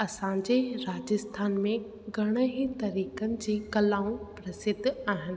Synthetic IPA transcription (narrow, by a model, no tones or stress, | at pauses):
ɐsãɲd͡ʑeɾaːd͡ʑəst̪ʰaːnmẽ | ɡʱɐɽ̃əɦit̪ɐɾiːkənɪ̆d͡ʑiːkɐlaːũpɾɐsɪd̪ʱːaːɦɪnɪ̆